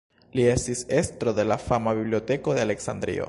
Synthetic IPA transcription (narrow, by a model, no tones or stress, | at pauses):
lie̞stise̞stɾo̞de̞lafamabiblio̞te̞ko̞d̪e̞ale̞ksandɾḭo̰